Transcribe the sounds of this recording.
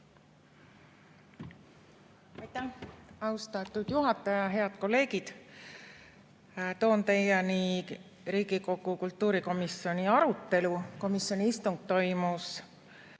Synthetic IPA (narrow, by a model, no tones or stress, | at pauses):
ɑjt̪ːˑæhɑwst̪ɑt̪ːˑud̪̥juɦɑt̪ːˑɑjɑɦe̞ɑd̪̥ko̞lːe̞ːɡid̪̥ | t̪o̞ːnt̪ejɑni | ɾiːɡiko̞ɡ̥ukult̪ːuːɾiko̞misjo̞niɑɾut̪ˑːe̞luko̞misjo̞niist̪uŋɡ̥̚t̪o̞jmus